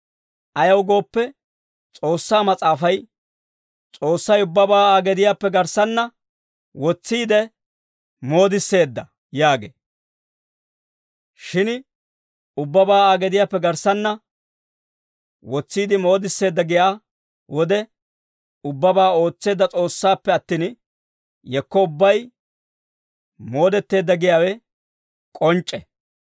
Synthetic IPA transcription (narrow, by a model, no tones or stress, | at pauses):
ʔɐjɐwɡo̞ːpːɛ | t͡sʼo̞ːsːaːmɐt͡sʼaːfɐj | t͡sʼo̞ːsːɐjʊbːɐbaːaːɡɛd̪ɪjaːpːɛɡɐɾsɐnːɐ | wɔt͡sːiːd̪ɛ | moːd̪ɪsːe̞ːd̪ːɐ | jaːɡḛː | ʃɪn | ʊbːɐbaːaːɡɛd̪ɪjaːpːɛɡɐɾsɐnːɐ | wɔt͡sːiːd̪ɪmo̞ːd̪ɪsːe̞ːd̪ːɐɡɪjaː | wɔd̪ɛ | ʊbːɐbaːo̞ːt͡sːe̞ːd̪ːɐt͡sʼo̞ːsːaːpːɛɐt̪ːiːn | jɛkːɔʊbːɐj | mo̞ːd̪ɛt̪ːe̞ːd̪ːɐɡɪjaːwɛ | kʼɔnt͡ʃʼːɛ